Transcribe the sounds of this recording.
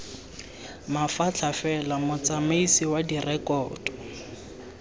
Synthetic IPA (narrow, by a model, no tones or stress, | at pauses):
mafat͡ɬʰafɛlamʊt͡samaisiwadirɛkɔːdɔ